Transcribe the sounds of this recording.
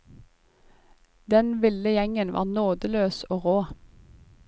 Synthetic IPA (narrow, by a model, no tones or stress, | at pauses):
d̪ɛnʋɪləjɛŋənʋʔɑ̰ːʁnoːd̪əløːsoːʁoː